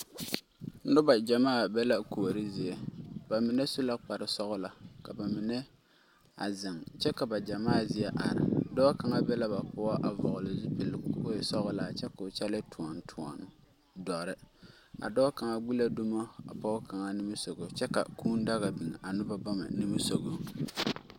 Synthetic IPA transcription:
ʊ˦ba˨d͡ʒa˨maː˦˨bɛ˦la˦ko˨ɾɪ˦zɪ˨ɛ˦b̥a˨mɪ˨nɛ˦su˦la˦k͡pa˨ɾɪ˨sɔ˦ɣʊ˦la˨ka˨ba˨mɪ˨nɛ˦ | a̰˨zɪ˨ŋt͡ʃɛ˦ka˨ba˨d͡ʒa˨maː˦˨zɪ˦jɛ˦ʔa̰˨ɾɪ̰˨dɔ˦ka˨ŋa˦bɛ˦la˦ba˨k͡pʊ˦a˦ʔa˨vɔ̰˨ɣʊ˨lɪ˨zʊ˦pɪ˨lsɔ˦ɣʊ˦la˨t͡ʃɛ˦kʊ˨t͡ʃɛ˦lɪ˦tʰʊ˨ɔ˨ntʰʊ˨ɔ̰˨n | dɔ˨ɾɪ˦ | a̰˨dɔ˦ka˨ŋa˦ɡ͡bi˦la˦du˦ma˦a̰˨pa˦ka˨ŋa˦ni˦mi˦so˨ɡo˨t͡ʃɛ˦ka̰˨kuː˦n˦da˦ɣa˨bi˨ŋ˨ʔa˨nʊ˦ba˦ba˦ma̰˨ni˦mi˦so˨ɡo˦

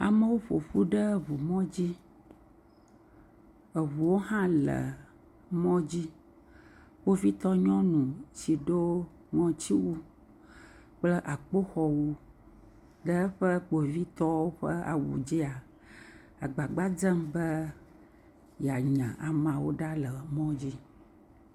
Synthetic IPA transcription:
a̰˨mə˦wo˦ɸo̰˨ɸu˦ɖə˦βu˨mɔ̃˦d͡ʑi˦ | ə˨βu˨wo˦ɦã˦lə̰˨ | mɔ̃˦d͡ʑi˦ | k͡po˦vi˦t̪ɔ˦ɲɔ̃˦nũ˨t͡ɕi˨ɖo˦ | ŋɔ̃˨t͡ɕi˦wu˦ | k͡plə˦ʔa˨k͡po˦xɔ˨wu˦ | ɖə˦ɸə˦k͡po˨vi˦t̪ɔ˦wo˦ɸə˦a̰˨wṵ˨d͡ʑi˦a˨ | a˨ɡ͡ba˨ɡ͡ba˦d͡zə˦mbə˦ | ja˨ɲɛ̃˨ʔa˨mã˨wo˦ɖa˦lə˨mɔ̃˦d͡ʑi˦

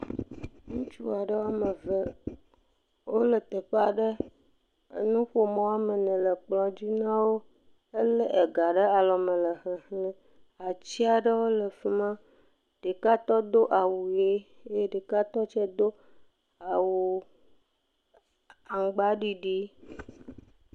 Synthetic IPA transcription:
ŋũ˦t͡ʃu˦a˨ɖə˦wa˦mə˨və˨ | wo˦lə˨t̪e˨ɸa˨ɖə˦ | ə̰˦nũ˦ɸo˦mɔ̃˦wa˦mə˨nɛ̃˨lə˨k͡plɔ̃˨d͡ʑi˦nã˦wo˦ | ə˦lə˦ʔe˨ɡa˨ɖə˦a˨lɔ˨mə̃˨lə˨ɦə˨ɦlɛ̃˦ | a˨t͡ɕi˦a˨ɖə˦wo˦lə˨fi˨mã˦ | ɖ̥e˨ka˦t̪ɔ˦d̪o˦ʔa˨wu˨je˦ | e˦ɖe˨ka˦t̪ɔ˦t͡ʃɛ˦d̪o˦ | a˨wu˨ | a˨ŋ˨ɡ͡ba˦ɖi˦ɖi˦

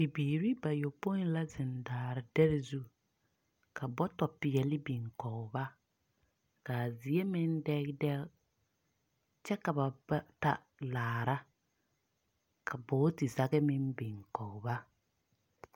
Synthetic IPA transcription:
bi˨biː˨ɾi˦ba˨jo˨po˦n˦la˦zɪ˨ndaː˨ɾɪ˨dɛ˦ɾɪ˦zu˦ | kʰa˨bɔ˦tɔ˨pɪ˨jɛ˨lɪ˦bi˨ŋkɔ˨ba˦ | kaː˨zɪ˨e˦mɪ˦ndɛ˦ɣdɛ˦ | t͡ʃɛ˦ka˨ba˨ba˦ta˦ | laː˨ɾa˦ | kʰa˨bɔ˦tɪ˨za˨ɣɛ˦mɪ˦nbi˨ŋkɔ˨ba˦

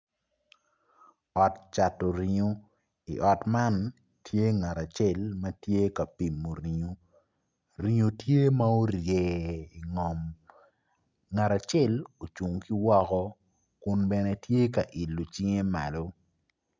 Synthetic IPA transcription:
ɔ˨tt͡ʃa˨to˨ɾi˨ɲo˦ | ḭ˨ʔɔ˨tma˦n | tʰje˦ŋa˨ɾa˨t͡ʃɛ˦˨lmɐ˦tje˦ka˨pi˨mːo˨ɾi˨ɲo˦ | ɾi˨ɲo˨tje˦ma˦o˦ɾje˨i˨ŋɔ˨m | ŋa˨ɾa˨t͡ʃɛ˦lo˨t͡ʃu˨ŋki˦wɔ˦kɔ˦ | kʊ˦nbɛ˦nɛ˦tje˦ka˨ʔi˨lo˨t͡ʃi˦ŋe˦ma̰˨lo˦

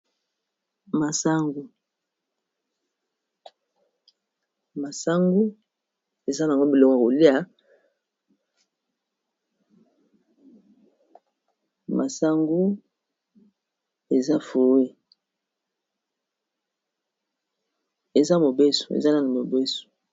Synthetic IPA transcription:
ma˨sa˦ŋɡu˨ | ma˨sa˦ŋɡu˦ | e˨za˦na˨ŋɡo˦bi˨lo˦ka˨ko˨li˦a˨ | mʔa˨sa˦ŋɡu˦ | e˨za˦fo˨wi˦ | e˨za˦mo˨be˦so̥˨ḛ˨za˦na˦na˨mo˨be˦so̥˨

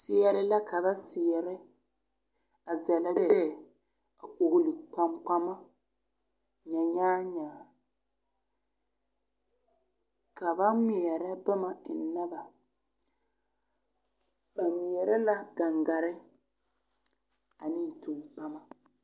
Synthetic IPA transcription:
sɪ˦ɛ˦ɾɪ˦la˦ka˨ba˦sɪ˨ɛ˨ɾɪ˦ | a˨zɛ˨lɪ˦bɛ˦ɛ˦˨ | a˨ko˨ɡli˨k͡pa˦mk͡pa˦ma˦ | ɲa˨ɲaː˦ɲaː˨ | ka˨ba˦ŋi˨ɛ˨ɾa˦ba˦ma˨ɪ˨˦na˦ba˨ | ba˨ŋi˨ɛ˨ɾɛ˦la˦ɡa˨ŋɡa˨ɾɪ˦ | a˨nɪ˦n˨tu˨ŋk͡pa˦ma˦

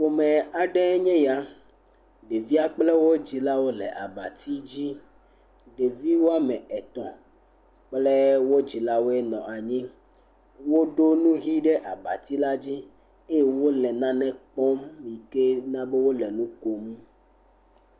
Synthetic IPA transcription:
ɸo˨mɛ̃˨a˨ɖe˦ɲɛ̃˦ja˦ | ɖe˨vi˦a˨k͡ple˦wo˦d͡ʑi˨la˦wo˦lɛ̰˨ʔa̰˨ba̰˨t̪i˦d͡ʑi˦ | ɖe˨vi˦wo˦a˦mɛ̃˨ɛ˨t̪ɔ̰̃˨ | k͡ple˦wo˦d͡ʑi˨la˦wo˦e˦nɔ̰̃˨ʔa˨ɲĩ˦ | wo˦ɖo˦nũ˦ɦi˦ɖe˦ʔa˨ba̰˨t̪i˦la˦d͡ʑi˦ | e˦je˦wo˦lɛ˨nã˦nɛ̃˦k͡pɔ˦mi˨ke˦nã˦be˦wo˦lɛ˨nũ˦ko˨mũ˦

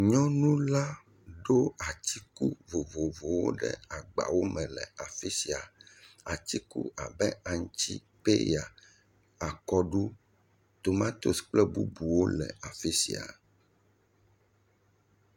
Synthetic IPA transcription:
ɲɔ̃˦nũ˦la˦ | ɖo˦a˨t͡ɕ̪i˦ku˦vo˨vo˨vo˨wo̰˦ɖɛ̰˦a˨ɡ͡ba̰˨wo˦mɛ̃˨lɛ˨a˨fi˦si˨a˨a˨t̪i˦kṵ˦a˨bɛ˦a˨ŋ˦t͡ɕi˦ | pe˦ja˨ | a˨kɔ˦ɖu˦ | t̪o˨mã˦t̪o˦sk͡plɛ˦bṵ˦bu˨wo˦lɛ̰˨a˨fi˦sḭ˨a̰˨

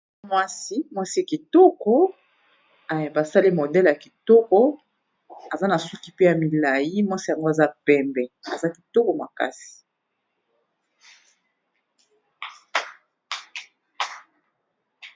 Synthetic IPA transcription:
mwa˦si˦mwa˦si˦a˨ki˨tɔ˦kɔ˦ | a˨ba˨sa˦li˦mo˨dɛ˦lja˨ki˨tɔ˦kɔ˦ | a˨za˦na˨su˦ki˦pe˦ja˨mi˨la˨ji˦mwa˦si˦ja˨ŋɡo˦a˨za˦pɛ˨mbɛ˨a˨za˦ki̥˨to˦ko˨ma˨ka̰˦si̥˨

